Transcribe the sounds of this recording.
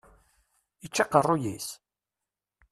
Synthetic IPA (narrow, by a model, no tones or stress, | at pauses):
it͡ʃːɑqərˤːʊjḭs